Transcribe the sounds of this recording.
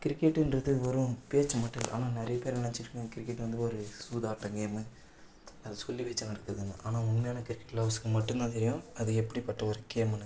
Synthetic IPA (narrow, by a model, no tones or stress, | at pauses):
kɪɾɪkːɛʈːɪndɾɐðɯʋɔɾʊ̃peːt͡ʃːmɐʈːɐlʔa̰ːnaːnɪɾɐjɐpeːɾnɐɽɐɲt͡ʃːɪɾɯkːɡɐ̃kɪɾɪkːɛʈːʋɐnd̪ɯɔɾɯsuːðaːʈːɐŋɡeːmɯ | ɐðɐsɔlːiʋeːt͡ʃːɐnɐɽɐkːɾɐðɯnːɐ̰ʔaːnaːʊnmejaːnɐkɪɾɪkːɛ̥ʈːlaːbskːɯmɐʈːɯnd̪ãːt̪ɛɾɪjʊ̃ɐðɯɛpːɐɽipɐʈːɐɔɾɯkeːmɐnːɐ